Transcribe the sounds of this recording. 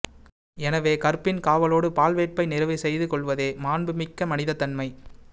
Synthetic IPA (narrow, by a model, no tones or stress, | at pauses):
ɛnɐʋeːkɐɾpːɪnkaːʋɐloːɽɯpaːlʋeːʈ̚pɐɪnɪɾɐʋɐsɛjðɯkɔɭʋɐðeːmaːnbɯmɪkːɐmɐnɪðɐt̪ːɐnmɐɪ